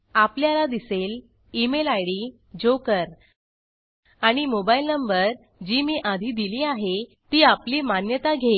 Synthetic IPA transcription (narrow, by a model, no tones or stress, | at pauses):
apljalad̪iseːl | imelajɽiː | d͡ʑokəɾ | aɽ̃imobailnəmbəɾ | d͡ʑiːmiʔad̪ʱiːd̪iliːaɦet̪iːapliːmanjət̪aɡʱe